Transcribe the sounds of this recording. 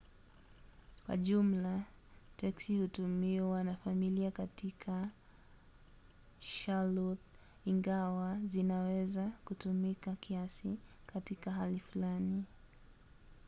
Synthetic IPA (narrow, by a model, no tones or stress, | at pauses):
kwa̰ʄum̩la | tɛksihutumiwanafamiliakatikʰa | ʃalɔt | iŋɡawazinawɛzakutumikakʰiasi | katikaɦalifulani